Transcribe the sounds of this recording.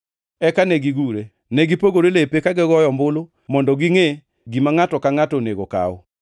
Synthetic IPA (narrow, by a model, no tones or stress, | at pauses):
ɛkanɛɡiɡuɾe | nɛɡipoɡoɾelepekaɡɪɡɔjɔmbʊlo | mɔndɔɡiŋe | ɡimaŋatɔkaŋatɔneɡoka̰ʊ